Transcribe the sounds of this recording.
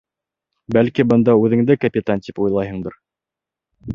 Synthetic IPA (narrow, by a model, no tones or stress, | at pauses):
bælkibɤ̆nd̪ɑʉðɘ̆ŋd̪ɘkɐpʲɪt̪ant̪ipujlˠɑjɦɤ̆ɴd̪ɤɾ